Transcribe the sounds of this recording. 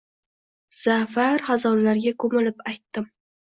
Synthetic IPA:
z̥afaɾhazɒɾlaɾɡʲakʰɵmɪlɪpajt̪ːɪm

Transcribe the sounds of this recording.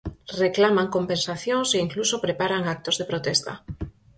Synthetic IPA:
reklamaŋkompẽnsaθjoŋseiŋklusopɾepaɾaŋak̚t̪ozðepɾot̪est̪a̰

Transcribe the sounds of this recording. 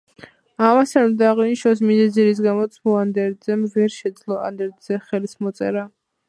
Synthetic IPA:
amasanmd̪aːʁiniʃɔs̬mizɛziɾis̬ɡamɔt̪sʰmɔand̪ɛɾd̪zɛmvɛɾʃɛd̪zlˠɔa̰nd̪ɛɾd̪z̥ɛχɛlismɔt̪sʼɛ̰ɾa

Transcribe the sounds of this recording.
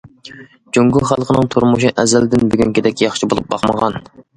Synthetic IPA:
d͡ʒyŋɡʲuχælˠqʰənɨŋt̪ʰuɾmuʃiʔɛzæld̪ɪnbyɡʲyŋkʲɪd̪ɛkʲjɑχʃʰibolˠṵp̚bɑqmə̰ʁɑn

